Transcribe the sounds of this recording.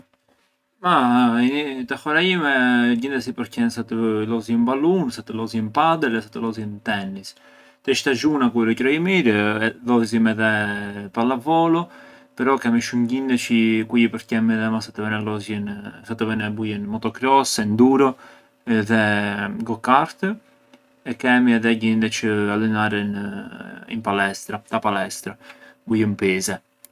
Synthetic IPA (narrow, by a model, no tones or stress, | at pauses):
maiit̪axɔɾaimɛɟind̪ɛs̬ipəɾcɛnsat̪əlɔzimbalunsat̪əlɔzɛnpad̪ɛlɛsat̪əlɔzjɛnt̪ɛnis | t̪ɛʃt̪aʒunakuɾɔcɾɔjimiɾlɔzimɛðɛpalavɔlɔ | pɛɾɔkɛmiʃumɟind̪ɛt͡ʃikujipəɾcɛmɛðɛmasat̪əvɛnɛlɔzjənsat̪əvɛnɛbujənmɔt̪ɔkɾɔsɛnd̪uɾɔ | ɛðɛɡɔkaɾt̪ə | ɛkɛmiaðɛɟind̪ɛt͡ʃəalɛnaɾɛn | ḭnpalɛst̪ɾat̪apalɛst̪ɾabujəmpɛzɛ